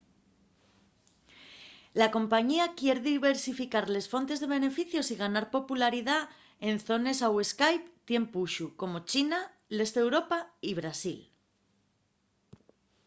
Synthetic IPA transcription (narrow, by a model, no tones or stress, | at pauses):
lako̞mpaɲiakje̞ɾðiβe̞ɾsifikaɾle̞sfo̞nt̪e̞zðe̞β̞e̞ne̞fiθjo̞siɣ̞anaɾpo̞pulaɾiða | e̞nθo̞ne̞sawe̞skajpt̪je̞mpuʃuko̞mo̞t͡ʃina | le̞st̪e̞wɾo̞paiβɾasḭl